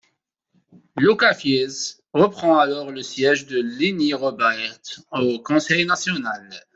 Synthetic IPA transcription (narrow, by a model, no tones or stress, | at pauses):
lokafjez | ʁəpχɑ̃alɔʁləsjɛʒd̪əliniʁɔbɛʁt̪okɔ̃sɛjnasjɔnal